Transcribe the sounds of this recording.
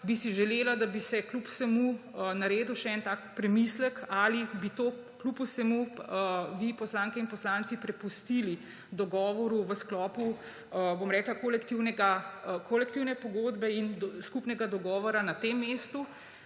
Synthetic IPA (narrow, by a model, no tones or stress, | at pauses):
bisiʒɛleːlad̪abisɛklupsɛmunaɾeːd̪uwʃɛɛnt̪aːkpɾɛmislɛkalibit̪oːklupusɛmu | ʋipɔslaːŋkɛinpɔslaːnt̪sipɾɛpust̪ili | d̪ɔɡɔːʋɔɾuʋəsklɔːpu | bomɾɛːklakolɛkt̪iwnɛɡakʰolɛkt̪iwnɛpɔɡoːd̪bɛinskupnɛɡad̪ɔɡɔːʋɔɾanat̪emːeːst̪u